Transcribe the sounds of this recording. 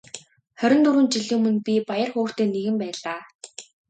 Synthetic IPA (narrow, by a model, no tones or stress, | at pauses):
χœɾʲɪ̆nt̪uɾuːnt͡ɕiɮŭːmɘ̆npʲipajə̆rxʊːxt̪eːneɣɘ̆mpæːɮaː